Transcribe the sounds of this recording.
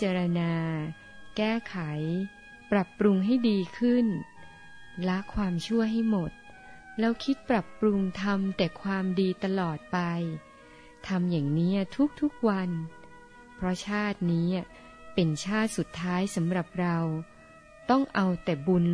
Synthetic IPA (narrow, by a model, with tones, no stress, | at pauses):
t͡ɕaː˧ɾa˧naː˧ | kɛː˥˩kʰa˩˦j | pɾa˨˩pːɾu˧ŋɦa˥˩jdiː˧kʰɯ˥˩n | la˦˥kʰwaː˧mt͡ɕʰu˥˩əɦa˥˩jmo˨˩t̪̚ | lɛː˦˥wkʰi˦˥t̪̚pɾa˨˩pːɾu˧ŋt̪ʰa˧mt̪ɛː˨˩kʰwaː˧mdiː˧t̪a˧lɔː˨˩t̪̚pa˧j | t̪ʰa˧mjaː˨˩ŋniː˦˥ɐt̪ʰu˦˥k̚t̪ʰu˦˥k̚wa˧n | pʰɾɔ˦˥t͡ɕʰaː˥˩t̪̚niː˦˥˩ | pe˧nt͡ɕʰaː˥˩t̪̚su˨˩t̪ʰːaː˦˥jsa˩˦mɾa˨˩p̚ɾa˧w | t̪ɔ˥˩ŋʔa˧wt̪ɛː˨˩bu˧n